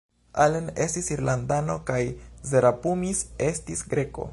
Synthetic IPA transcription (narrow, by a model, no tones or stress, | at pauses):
alene̞stisiɾlandano̞kajzeɾapumise̞stisɡɾe̞ko̞̰